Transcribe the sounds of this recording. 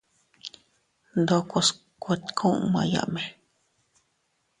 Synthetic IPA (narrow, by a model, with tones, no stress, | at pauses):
nd̪o˧kʷo˧s | kʷe˧t̪kʰõ˦ʔmã̰˧ja̰˧˨ʔmẽ˨